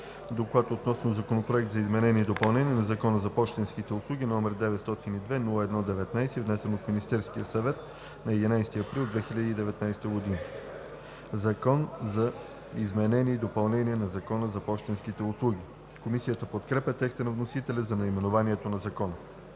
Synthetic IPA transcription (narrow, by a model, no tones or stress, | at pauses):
d̪oklˠat̪ot̪nɔsnozɐkonopɾoɛk̚t̪zɐizmɛnɛniːd̪opɐlˠnɛnʲiɛnɐzɐkɔnəzɐpɔʃt̪ɛnskit̪ɛʊslˠuɡ̟ʲinɔmɛɾd̪ɛvɛt̪st̪ɔt̪inid̪vɛnulˠəɛd̪nɔd̪ɛvɛt̪najst̪ivnɛsɛnot̪minist̪ɛɾskijəsɐvɛt̪ | nɐɛd̪inajst̪iɐpɾilˠd̪vɛxilʲəd̪iːd̪ɛvɛt̪najst̪əɡod̪inə | zɐkɔnzɐ | izmɛnɛnʲiːd̪opɐlˠnɛniɛnɐzɐkɔnəzɐpɔʃt̪ɛnskit̪ɛʊslˠuɡ̟i | komisijət̪əpot̪kɾɛpʲət̪ɛkst̪ənɐvnosit̪ɛlʲɛzɐnɐimɛnovaniɛt̪onɐzɐkɔnə